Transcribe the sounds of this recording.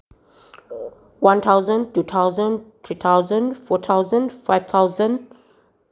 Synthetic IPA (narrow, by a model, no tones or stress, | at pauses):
wãnt̪ʰaʊzə̃ntuːt̪ʰawzə̃nt̪ʰɹiːt̪ʰaʊzə̃ndfɔt̪ʰaʊzə̃ndfaɪv̥t̪ʰaʊzə̃nd